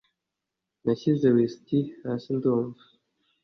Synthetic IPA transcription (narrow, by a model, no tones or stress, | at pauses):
naɕizewistihasind̪omvu̥